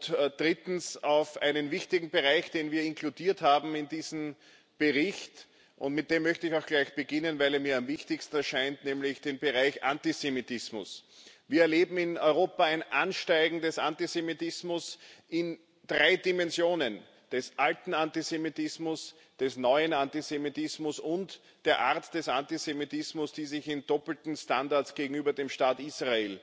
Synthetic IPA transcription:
d̥ʁɪtn̩saʊfʔa̰ɪnənvɪçtɪɡŋ̩beʁaɪçd̥eːnviːɐɪnkʰludiːɐthaːbm̩ɪndiːzn̩ | b̥eʁɪçt | ʔʊ̰̃ntmɪt̚d̥eːmːœçtəɪçaʊxɡ̥laɪçb̥əɡɪnənvaɪleɐmiːɐamvɪçtɪçstn̩ɛɐʃaɪntnɛːmlɪçd̥eːnbəʁaɪçʔa̰ntizemitɪsmʊ̰sviːɐɐleːbm̩ɪnɔʏʁoːpɐæɪnʔanʃtaɪɡŋ̩dɛsʔantisemitɪsmʊsʔɪn | d̥ʁaɪdimɛnzjoːnən | d̥ɛsʔaltn̩antizemitɪsmʊs | d̥ɛsnɔʏənantizemitɪsmʊsʊnt | d̥eːɐʔaɐtd̥ɛsʔantizemitɪsmʊsd̥iːzɪçɪnd̥ɔpl̩tn̩standaɐsɡ̥eːɡŋ̩yːbɐdeːmʃtaːtiːsʁaeːl

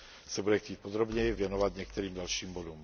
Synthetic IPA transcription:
sabudɛxciːc̚pɔd̪ɾɔbɲɛʋjɛnɔʋaɟɲɛk̚t̪ɛɾiːmɟalʃiːmbɔd̪um

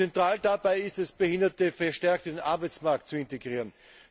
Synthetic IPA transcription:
ɛntʁ̥aːldabaɪɪstɛsb̥əhɪndɐtəfɛɐʃtɛɐk̚tədenʔa̰ɐbaɪt͡smaɐk̚t̚t͡suɪnteɡʁiːʁən

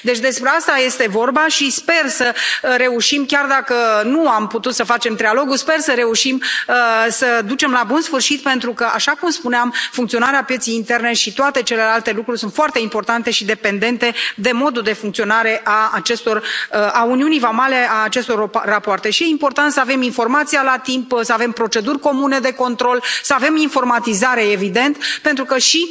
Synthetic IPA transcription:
d̪e̞t͡ʃʲd̪e̞spɾe̞ast̪aje̞st̪e̞vo̞rbaʃispe̞rsəɾe̞uʃimkʲard̪akənuamput̪ut̪səfat͡ʃe̞mt̪ɾialo̞ɡuspe̞rsəɾe̞uʃiməsəd̪ut͡ʃe̞mlabunsfɨrʃit̪̚pe̞nt̪ɾukəʔaʃakumspuneamfuŋkt̪sio̞naɾeapje̞t̪sijint̪e̞rne̞ʃit̪oat̪e̞t͡ʃe̞le̞lalt̪e̞lukɾurʲsunt̪foart̪e̞impo̞rt̪ant̪e̞ʃid̪e̞pe̞nd̪e̞nt̪e̞d̪e̞mo̞d̪ud̪e̞fuŋkt̪sio̞naɾe̞ʔaːt͡ʃe̞st̪o̞rauniunijvamaleaːt͡ʃe̞st̪o̞rrːapoart̪e̞ʃije̞impo̞rt̪ant̪səave̞minfo̞rmat̪sialat̪impsəave̞mpɾo̞t͡ʃe̞d̪urʲko̞mune̞d̪e̞ko̞nt̪ɾo̞lsəave̞minfo̞rmat̪izaɾe̞evid̪e̞nt̪pe̞nt̪ɾukəʃi

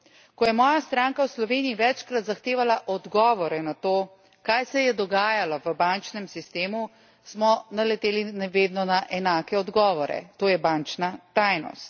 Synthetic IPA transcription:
kɔjɛmɔːjast̪ɾaːŋkawslɔʋeːniiʋɛt͡ʃkɾat̪zaxt̪eːʋalaʔɔd̪ɡɔːʋɔɾɛnat̪oː | kajsɛjɛd̪ɔɡaːjalɔʋəbant͡ʃnɛmsist̪eːmu | smɔnalɛt̪eːlinʋeːd̪nɔnaʔɛnaːkɛɔd̪ɡɔːʋɔɾɛ̰t̪oːjɛbaːnt͡ʃnat̪ajnɔ̰st̪̚

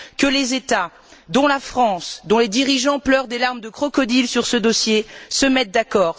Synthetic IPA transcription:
kəlezet̪a | d̪ɔ̃lafχɑ̃sd̪ɔ̃led̪iʁiʒɑ̃plœʁd̪elaʁmd̪əkχɔkɔd̪ilsyʁsəd̪osjesəmɛt̪̚d̪akɔːʁ

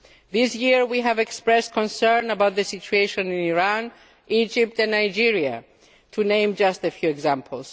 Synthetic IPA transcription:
ðɪsjiɹwiɨvɛkspɹɛskʰɔ̃nsɜ̃˞nəbaʊt̪̚ðɨsit͡ʃueɪʃɔ̃nɪ̃niɹãn | id͡ʒɪp̚tɨ̃nːaɪd͡ʒiɹia̰ | tʰunẽɪ̃md͡ʒʌstɨfjuɛɡzæ̃mpʰl̩ˠs

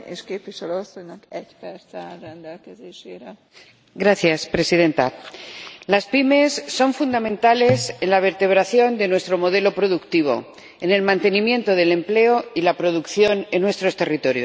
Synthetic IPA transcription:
eʃkeːpviʃɛløosːoɲnɒkɛɟpɛɾt̪sɛrɛnd̪ɛlkɛzeːʃeːɾɛ | ɡɾaθjaspɾe̞siðe̞nt̪a | laspime̞sːo̞ɱfund̪amẽ̞nt̪ale̞se̞nlaβ̞e̞ɾt̪e̞β̞ɾaθjo̞nd̪e̞nwe̞st̪ɾo̞mo̞ðe̞lo̞pɾo̞ðukt̪iβ̞o̞̰ | e̞ne̞lmãnt̪e̞nimjẽ̞nt̪o̞ðe̞le̞mple̞o̞ilapɾo̞ðukθjo̞nenːwe̞st̪ɾo̞st̪e̞rit̪o̞ɾjo̰s

